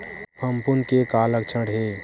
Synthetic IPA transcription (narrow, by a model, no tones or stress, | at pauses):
pəmpʊnkekaːlək̚t͡ʃʰəɽɦe